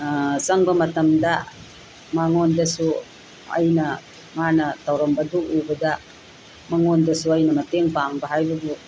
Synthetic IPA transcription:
asaŋbamat̪əmdaʔ | maŋɔndasu | a̰jna | manat̪awɾɔmbaduʔubədaʔ | maŋɔndəsuajnamat̪ɛŋpaŋbaɦajbabu

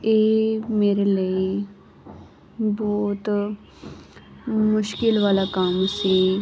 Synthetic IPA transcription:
eːmeːɾelie | bɔːt̪ | mʊʃkɪlʋaːlakaːmsĩ

